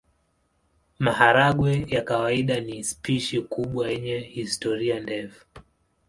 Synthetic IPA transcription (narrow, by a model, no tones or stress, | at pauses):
maɦaɾaɠwɛjakawaiɗanispiʃikuɓwajɛɲɛhistɔɾiandɛfu̥